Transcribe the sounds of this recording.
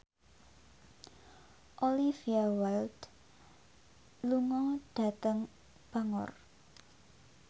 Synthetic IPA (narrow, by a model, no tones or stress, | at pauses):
ʔoliviawald̪ | luŋɔd̥a̤t̪əŋ | b̥a̤ŋɔ̰r